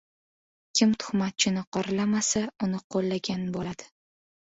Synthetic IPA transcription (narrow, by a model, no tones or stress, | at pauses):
kʲʰɪmt̪ʰʊ̥χmat̪̚t͡ʃʰɪnɪqʰɒɾɪlamasaʊnɪqʰolˠːaɡʲanbolad̪̥ɪ̥